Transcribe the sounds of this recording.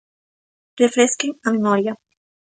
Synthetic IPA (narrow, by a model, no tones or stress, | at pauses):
refɾeskeŋamemoɾja